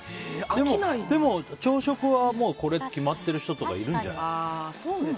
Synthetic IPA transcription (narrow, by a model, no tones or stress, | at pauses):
d̪e̞mmonaid̪e̞mo̞t͡ɕo̞ːɕo̞kɯ̟βamo̞ːko̞ɾe̞t̪kʲimat̪ːe̞ɾɯ̟çi̥t̪o̞t̪o̞ka̰iɾɯ̟̃ɲd͡ʑa̰nsoː